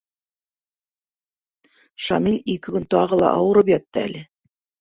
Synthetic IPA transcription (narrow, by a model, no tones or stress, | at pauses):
ʃɑmilʲikɘkɵnt̪ɑʁɤlˠɑ̰ʔɑwɤ̆ɾɤpjɒt̪ːɤæ̰lɘ